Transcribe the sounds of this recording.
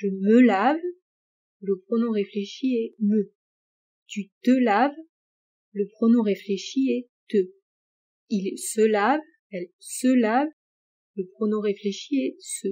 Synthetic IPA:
ʒəməlav | ləpχɔnɔ̃ʁefleʃiɛmə | t̪yt̪əlav | ləpχɔnɔ̃ʁefleʃiɛt̪ə | ilsəlav | ɛl | səlav | ləpχɔnɔ̃ʁefleʃiɛsə

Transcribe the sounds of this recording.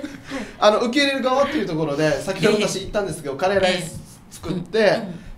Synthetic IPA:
ano̞ɯ̟ke̞ːɾe̞ɾɯ̟ɡaβat̪ːe̞iɯ̟t̪oko̞ɾo̞d̪e̞sakʲeood̪at̪aɕiːt̪ːãnd̪e̞sɨ̥ke̞d̪o̞kaɾe̞ɾai | t͡sɨ̥kɯ̟t̪ːe̞

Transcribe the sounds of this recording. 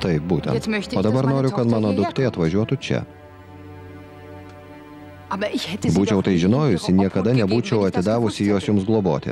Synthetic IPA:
t̪ɐɪp̚buːt̪ʲɛ̰nt̪oːd̪ɐbɐɾnoːɾʲʊkɐt̪mɑːnoːd̪ʊkt̪ʲeɐt̪ʋɐʒʲuɔt̪ʊt͡ʃʲɛ̰ | bɐbuːt͡ʃʲɛʊt̪ɐɪʒʲɪnoːjʊsʲɪnʲiɛkɐd̪ɐnʲɛbuːt͡ʃʲɛʊɐt̪ʲɪd̪ɑːʋʊsʲɪjuɔːsjʊmsɡlˠoːboːt̪ʲɪ̰

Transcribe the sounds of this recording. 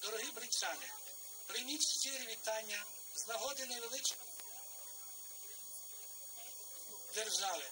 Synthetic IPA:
d̪ɔɾɔɦɪbɾɪt͡ʃɑnɪ | pɾɪmʲit͡ʃʲʃt͡ʃʲiɾɪʋʲit̪ɑnʲːɐ | znɐɦɔd̪ɪnɐʋelˠɪt͡ʃ | d̪erʒɑʋɪ

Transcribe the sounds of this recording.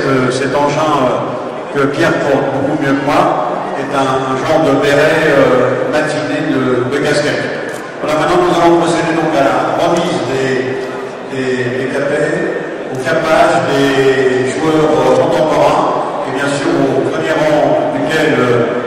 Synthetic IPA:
kəsɛt̪ɑ̃ʒɛ̃ø | kəpjɛʁpɔt̪bokumjømwa | ɛt̪ɛ̃ːʒɑ̃ʁd̪əbeʁɛømat̪ined̪əd̪əkʲaskʲɛt̪ | valamɛ̃t̪nɑ̃nuzavɔ̃pχɔsed̪ed̪ɔ̃kaaʁəmizd̪e | d̪̥ed̪ekapɛ | okapaʒd̪eʒuœʁøɔ̃t̪ɑ̃pɔʁɛ̃ | ebjɛ̃syʁopχəmjɛʁɑ̃d̪ykʲɛlø

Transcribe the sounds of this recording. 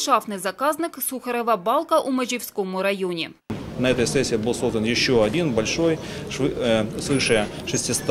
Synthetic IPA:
ʂɑfnɨzɐkɑznɨksuxɐɾɐvɐbɑlˠkɐʔumɐʑʲɪfsʲkomʊɾɐjonʲɪ | nɐɛt̪əjsɛsʲːɪɪbɨlˠso̞zd̪ənjɪɕːoɐdʲinbɐlʲʂojɨsvɨʂɨjəʂɨsʲtʲɪst̪

